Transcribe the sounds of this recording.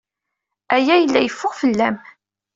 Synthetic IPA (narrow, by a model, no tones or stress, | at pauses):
æjæjəlːæjəfːʊʁfəlːæm